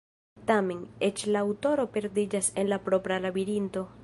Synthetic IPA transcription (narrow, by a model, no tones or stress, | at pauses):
t̪ameŋet͡ʃlaːwt̪o̞ɾo̞pe̞ɾd̪id͡ʒasenlapɾopɾalabiɾint̪o̞